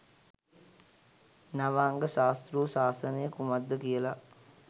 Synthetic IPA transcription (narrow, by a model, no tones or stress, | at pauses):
naʋaːŋɡəʃaːst̪ruːsaːsənəjəkumad̪ːəkijəla